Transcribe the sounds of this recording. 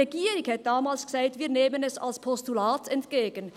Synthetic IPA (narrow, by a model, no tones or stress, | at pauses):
eɡiːʁɪkhɛt̪̚d̥aːmaːlsɡ̥saɪtviːɐneːmənɛsa̰lspʰɔstulaːtʰɛntɡ̥eːɡən